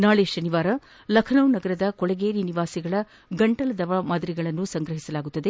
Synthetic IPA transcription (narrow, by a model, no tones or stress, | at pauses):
naːɭeːʃɐniʋaːɾɐ | lɐkʰɐnɐwnɐɡɐɾɐd̪ɐkɔɭɐɡeːɾiniʋaːsiɡɐɭɐ | ɡɐɳʈɐlɐd̪ɐʋamaːd̪ɐɾiɡɐɭɐnːusɐŋɡɾɐɦisɐlaːɡut̪ːɐd̪e̞